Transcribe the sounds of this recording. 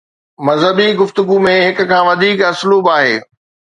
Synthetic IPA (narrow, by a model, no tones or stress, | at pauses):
mɐzɦəbiɡʊft̪ʊɡumẽɦɪkʊ̆kʰãːʋɐd̪ʱiːkɐsluːbaːɦeː